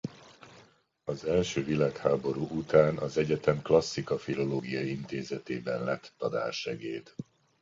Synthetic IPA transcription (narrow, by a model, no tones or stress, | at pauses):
ɒzɛlʃøːvilaːkhaːbo̞ɾuːʔut̪aːnɒzɛɟɛt̪ɛmklɒsːikɒfilo̞loːɡijɒint̪eːzɛt̪ḛːbɛnlɛt̪ːɒd̪a̰ːrʃɛɡḛːd̪